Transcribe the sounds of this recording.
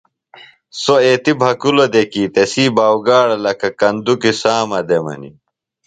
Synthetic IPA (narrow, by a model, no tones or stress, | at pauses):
soeːt̪ibʱɐkulod̪ekiːt̪esiːbaːwɡaːɽɐlɐkɐkɐnd̪ukisaːmɐd̪emɐ̰nḭ